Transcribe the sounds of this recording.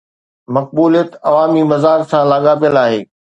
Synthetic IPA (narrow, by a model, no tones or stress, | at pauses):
mɐk̚buːlijət̪ɐʋaːmimɐzaːɾsãlaːɠaːpijəlaːɦḛː